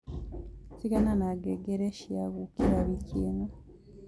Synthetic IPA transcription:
siɡananaɡeɡeɾeʃija̰ɡukiɾaβicina

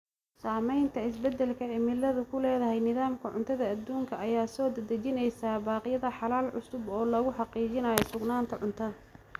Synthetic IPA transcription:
saːmɛjnt̪ʰɐɪsbɛd̪ɛlkʰɐʕɪmɪlɐðʊkʰʊlɛːðɐɦɛjnɪðaːmkʰɐʕʊ̰nt̪ʰɐðɐɐd̪uːŋkʰɐɐjaːsɔːd̪ɐd̪ɐt͡ʃɪnɛjsaːbaːqɪjɐðɐħɑlaːlʕʊsʊbɔːlɐɣʊħɑqiːt͡ʃɪnaːjɔsʊɡnaːnt̪ʰɐʕʊnt̪ʰɐðɐ

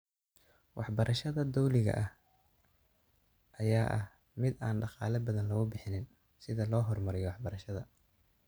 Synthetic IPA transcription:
wɑħbɐɾʔɐʃɐðɐd̪ɔwlɪɣɐ̰ʔɐh | ʔɐjaːʔɐ̰h | mɪd̪aːnɖɑqɑːlɐbɐðɐnlɐɣʊbɪħɪnɪn | sɪðɐlɔːɦɔrmɐɾɪjɔwɑħbɐɾɐʃɐðɐ

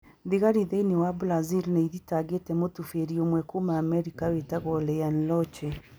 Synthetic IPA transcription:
ðiɣaɾiðeinewabulazilneiðitaɡetɛmotufeɾiomwɛkomaːmɛɾikawetaɣɔlɛjanlɔt͡ʃɛ

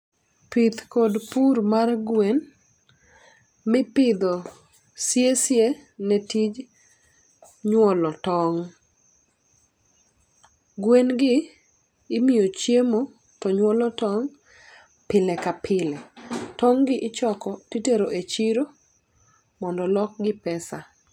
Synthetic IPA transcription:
pit̪kodpurmarɡwen | mɪpɪd̪ɔ | sjesjenɛtid͡ʒ | ɲwɔlɔtɔŋ | ɡwenɡɪː | miot͡ʃjemo | tɔɲwɔlɔtɔŋ | pɪlɛkapʰɪlɛtɔŋɡɪʔɪt͡ʃɔkɔtiteɾoʔet͡ʃiɾo | mɔndɔlɔk̚ɡɪpɛsa

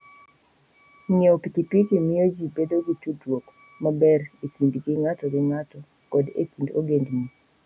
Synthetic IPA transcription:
ɲeopikipikimɪjod͡ʒibedoɡitudwok | mabɛɾekindɡɪŋatɔɡɪŋatɔ | kɔdḛkindo̰ɡendni

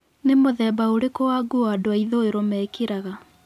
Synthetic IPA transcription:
nemoðɛːbaoɾekowaɡuadoaiðoeɾomɛːkeɾaɣa

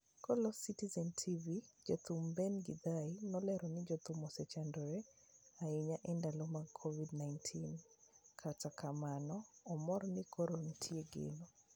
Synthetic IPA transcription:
kɔlɔsitizɛntʰivid͡ʒot̪umbɛnɡɪd̪ainɔlɛɾɔnɪd͡ʒɔt̪umɔsɛt͡ʃandɔɾɛ | aɪɲaʔɛndalɔmakʰovidnajntʰin | kʰatakamanɔːmɔɾnɪkʰɔɾontʰjieɡḛno

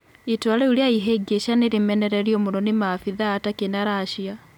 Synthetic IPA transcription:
itwalɛuɾiaiɦɛɡeʃaneɾimɛnɛɾɛɾjɔmoɾɔnimafiðaːtakenaɾaʃia

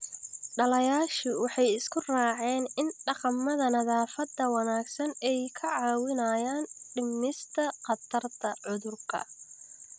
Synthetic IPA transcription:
ɖɐlɐjaːʃɪwɑħɑjɪskʰʊraːʕɛːnɪnɖɑqɑmːɐðɐnɐðaːfɐd̪ɐwɑnaːɡsɐnɛjkʰɐʕɑːwɪnɐjaːnɖɪmnɪst̪ʰɐqɑt̪ʰɐrt̪ʰɐʕʊðʊrkʰɐ̰

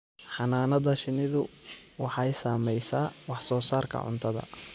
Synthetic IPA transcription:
ħɑnaːnɐðɐʃɪnɪðʊwɑħɑjsaːmɛjsaːwɑħsɔːsaːrkʰɐ̰ʕʊ̰nt̪ʰɐðɐ̰

